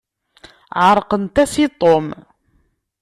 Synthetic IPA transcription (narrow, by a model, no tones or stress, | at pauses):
ʕəɾˤqənt̪æsit̪ˤom